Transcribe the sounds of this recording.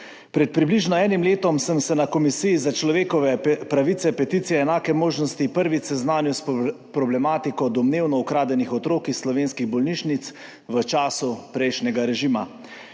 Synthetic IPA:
pɾɛt̪̚pɾibliʒnɔɛːnimleːt̪ɔmsəmsɛnakɔmisijizat͡ʃlɔʋeːkɔʋɛpɾaʋit̪sɛpɛt̪iːt̪sijɛːnaːkɛmoːʒnɔst̪ipəɾʋisɛznaːnjus | pɾɔblɛmaːt̪ikɔd̪ɔmneːwnɔukɾaːd̪ɛnixɔt̪ɾoːkixslɔʋeːnskiɣbɔlniːʃnit̪s | ʋət͡ʃaːsupɾɛjʃnɛɡaɾɛʒiːma

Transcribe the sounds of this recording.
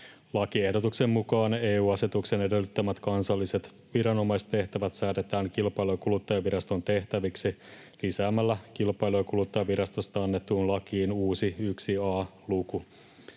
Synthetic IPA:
lɑkie̞hdo̞t̪ukse̞mːukɑːne̞ːuːɑse̞t̪ukse̞ne̞delːyt̪ːømæt̪kɑnsɑlːise̞t̪ | ʋiɾɑno̞mɑist̪e̞ht̪æʋæt̪sæːt̪e̞t̪æːŋkilpɑjlokulut̪ːɑjɑʋiɾɑst̪o̞nt̪e̞ht̪æʋiksi | lisæːmːælːæk̟ilpɑjlojkulut̪ːɑjɑʋiɾɑst̪o̞st̪ɑɑnːet̪ːuːnlɑkiːnuːsiyksiɑːluku

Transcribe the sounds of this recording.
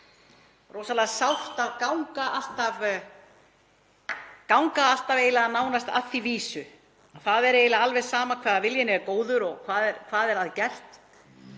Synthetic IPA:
roːwsalasawht̪aðkawŋkaʔal̥t̪av | kawŋkaal̥t̪aveːjlaanaːwnast̪a̰θiviːsʏ | aθaðɛɾeːjlaalvɛ̥saːmakʰvaːðavɪljɪnɪɾkoːwðʏɾɔɣkʰvaːðɛɾkʰvaːðɛɾ̥aðɪcɛr̥t̪

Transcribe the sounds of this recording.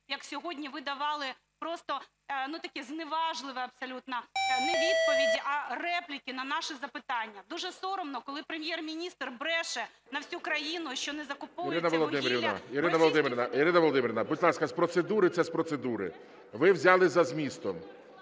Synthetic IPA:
jɐksʲɔɦɔdʲnʲiʋɪd̪ɐʋɑlˠɪ | pɾɔst̪ɔ | nut̪ɐkʲɛznɪʋɑʒlˠɪʋɛɐbsɐlʲut̪nɐnɛʋʲid̪̚pɔʋʲidʲiʔɐrɛplʲɪkʲinɐnɑʃɪzɐpɪt̪ɑnʲːɐd̪uʒɛsɔɾɔmnɔkɔlˠɪpɾemʲjɛrmʲinʲist̪rbɾɛʃɛ | nɐwsʲukɾɐjinʊʃt͡ʃɔnɛzɐkʊpɔɾɪnɐʋɔlˠɔd̪ɪmʲɾʲiʋnɐ̰iɾɪnɐʋɔlˠɔd̪ɪmʲɪɾʲɪnɐiɾɪnɐʋɔlˠɔd̪ɪmɪɾʲɪnɐbʊt̪ʲlˠɑskɐspɾɔt̪sed̪uɾɪt̪sɛspɾɔsed̪uɾɪ̰ | ʋɪwzʲɑlˠɪzɐzmʲist̪ɔm

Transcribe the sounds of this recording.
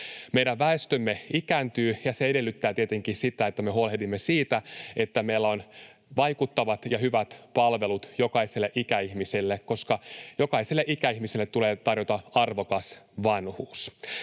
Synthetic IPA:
mejɾæʋʋæest̪ømːe̞ikænt̪yːjɑseede̞lːyt̪ːæːt̪iet̪eŋkiːsit̪æet̪ːæmeɦuolehdimːesiːt̪æe̞t̪ːæmejlːæo̞n | ʋɑjkut̪ːɑʋɑt̪jɑhyʋæt̪pɑlʋe̞lut̪jo̞kɑiselːeʔikæihmiselːekko̞skɑjo̞kɑiselːeʔikæihmiselːet̪ːuleːt̪ɑrjot̪ɑɑrʋokɑsʋɑnhuːs

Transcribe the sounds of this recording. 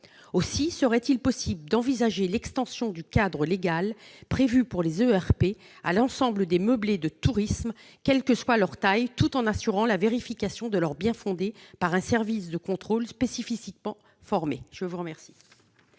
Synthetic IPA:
osisəʁɛt̪ilpɔsibləd̪ɑ̃vizaʒelɛkst̪ɑ̃sjɔ̃d̪ykad̪ʁəleɡalpχevypuʁlezøɛʁpe | a̰lɑ̃sɑ̃bləd̪eməbled̪ət̪uʁism | kʲɛlkəswalœʁt̪ajt̪ut̪ɑ̃nasyʁɑ̃laveʁifikasjɔ̃d̪əlœʁbjɛ̃fɔ̃d̪epaʁɛ̃sɛʁvis̬d̪əkɔ̃t̪χolspesififikmɑ̃ | fɔʁmeʒ̥əvuʁəmɛʁsi̥

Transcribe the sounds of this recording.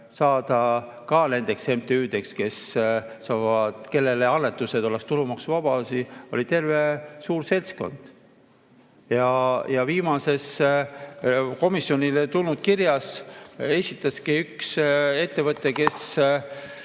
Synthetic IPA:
sɑːd̪̥ɑ | kɑne̞nd̪̥e̞kse̞mt̪eyːd̪̥e̞kske̞ssɑvɑd̪̥ke̞lːe̞leɑnːe̞t̪ːˑuse̞d̪o̞lekst̪ulumɑksvɑb̥ɑsio̞lʲit̪e̞rve̞suːɾse̞lsko̞̰nd̪̥ | jɑjɑviːmɑse̞s | ko̞misjo̞nʲilet̪ulnud̪̥̚kirjɑse̞sʲit̪ːˑɑskiykse̞t̪ːe̞vɤt̪ːˑe̞ke̞s

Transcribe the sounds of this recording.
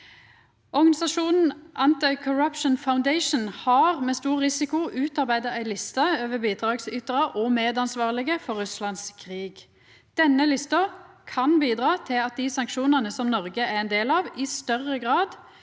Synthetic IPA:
ɔʁɡɑnɪsɑʃuːnn̩ʔɑnt̪ɪkʰʊɾɑpʃnfaʊnd̪ɛɪʃn̩hɑʁmɛːst̪uːʁʁɪsɪkʊʉːt̪ɑʁbæɪd̪ɑæɪlɪst̪ɑøːʋəbiːd̪ʁɑːɡsʏt̪ʁɑʔɔmeːd̪ɑnsʋɑːʁlɪɡəfɔʁːʉslɑnskʰʁiːɡ | d̪̥ɛnːəlɪst̪ɑ | kʰɑnbiːd̪ʁɑːt̪ʰɪlɑt̪̚d̪ɪsɑŋkʃuːnənəsɔmnɔʁɡəæɛnd̪eːlɑʋɪst̪œʁːəɡʁɑːd̪

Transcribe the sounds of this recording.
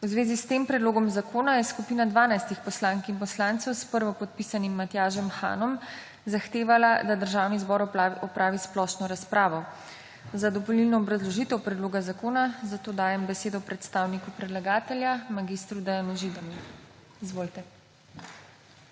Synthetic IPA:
wzʋeːzist̪eːmpɾɛd̪loːɡɔmzakoːnajɛskupiːnad̪ʋaːnajst̪ixpɔslaːŋkinpɔslant̪sɔwspəɾʋɔpɔt̪̚pisanimːat̪jaːʒɔmxa̰ːnɔm | zaxt̪eːʋalad̪ad̪əɾʒaːwnizbɔɾɔpɾaːʋisplɔʃnɔɾaspɾaːʋɔ | zad̪ɔpɔlilnɔːbɾazlɔʒit̪ɛwpɾɛd̪loːɡazakoːnazat̪oːd̪aːjɛmbɛseːd̪ɔpɾɛt̪st̪aːwnikupɾɛd̪laɡaːt̪ɛljamaɡist̪ɾud̪ajanuʒid̪ami | izʋoːlt̪ɛ

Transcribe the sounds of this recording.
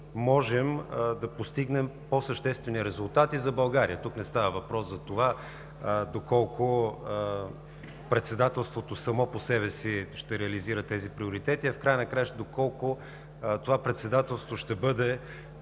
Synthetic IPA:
mɔʒɛmd̪ɐpost̪iɡnɛmposəʃt̪ɛst̪vɛniɾɛzulˠt̪at̪izɐbɐlˠɡaɾijət̪uknɛst̪avəvɐpɾɔszɐt̪ova | d̪okɔlˠkʊ | pɾɛt̪sɛd̪at̪ɛlˠst̪vot̪osɐmɔposɛβɛsiʃt̪ɛɾɛɐliziɾət̪ɛzipɾioɾit̪ɛt̪iɐfkɾajənɐkɾajɛʃd̪okɔlˠkʊ | t̪ovapɾɛt̪sɛd̪at̪ɛlˠst̪voʃt̪ɛbɤd̪ɛ

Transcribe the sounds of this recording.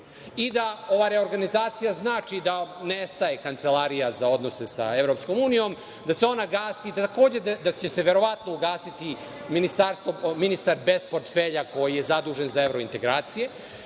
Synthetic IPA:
id̪ao̞ʋaɾeo̞ɾɡanizaːt̪sijaznaːt͡ʃid̪anest̪aje̞kant̪se̞laɾijazao̞d̪no̞se̞sa̰e̞ʋɾo̞psko̞muːnijo̞m | d̪aseo̞naɡaːsid̪t̪ako̞ːd͡ʑe̞d̪d̪at͡ɕe̞se̞ʋe̞ɾo̞ʋat̪no̞uɡaːsit̪i | minist̪aɾst̪ʋominist̪aɾbe̞spo̞ɾt̪feʎako̞jije̞zad̪uːʒe̞nzae̞ʋɾo̞int̪e̞ɡɾaːt̪sije̞

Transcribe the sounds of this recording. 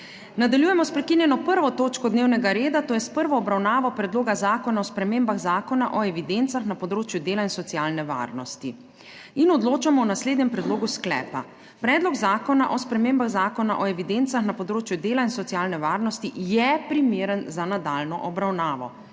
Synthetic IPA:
nad̪aljujɛmɔspɾɛkinjɛnɔpəɾʋɔt̪oːt͡ʃkɔd̪neːwnɛɡaɾeːd̪at̪oːjɛspəɾʋɔːbɾawnaːʋɔpɾɛd̪loːɡazaːkɔnaɔspɾɛmeːmbaɣzaːkɔnaʔɔɛʋid̪ent̪saxnapɔd̪ɾoːt͡ʃjud̪eːlainsɔt̪sijaːlnɛʋa̰ːɾnɔst̪i | inɔd̪loːt͡ʃamɔwnasleːd̪nɲɛmpɾɛd̪loːɡusklɛ̰ːpa | pɾɛːd̪lɔɡzaːkɔnaʔɔspɾɛmeːmbaɣzaːkɔna̰ʔɔɛʋid̪ent̪saxnapɔd̪ɾoːt͡ʃjud̪eːlainsɔt̪sijaːlnɛʋaːɾnɔst̪ijɛpɾimeːɾənzanad̪alnɔʔɔbɾawnaːʋɔ̰

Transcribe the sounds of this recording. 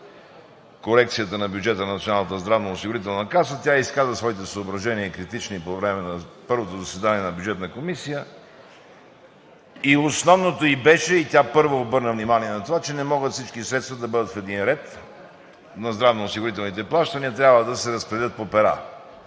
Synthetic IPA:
koɾɛk̚t̪sijət̪ənɐbʲjuʊd͡ʒɛt̪ənnɐt̪sʲionalˠnət̪əzd̪ɾavnɐosiɡʊɾit̪ɛlˠnɐkasət̪ʲjaiskazəsvɔit̪ɛsəobɾɐʒɛniəikɾit̪it͡ʃnipovɾɛmɛnɐpɤɾvot̪ozɐsvɛd̪aniɛnɐbjʊd͡ʒɛt̪nəkomisijə | iosnɔvnot̪oibɛʃɛit̪ʲjapɤɾvoːbɤɾnəvnimaniɛnɐt̪ovat͡ʃɛnɛmɔɡət̪fsit͡ʃkisɾɛt̪st̪vəd̪ɐbɤd̪ət̪fɛd̪inɾɛt̪ | nɐzd̪ɾavnoʊsiɡʊɾit̪ɛlˠnit̪ɛplˠaʃt̪əniət̪ɾʲabvəd̪ɐsɛɾɐspɾɛɛlʲət̪̚popɛɾa̰

